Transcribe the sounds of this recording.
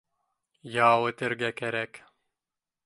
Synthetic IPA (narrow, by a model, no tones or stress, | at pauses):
jɑːwɤ̆t̪ɘ̆ɾɡækæɾæk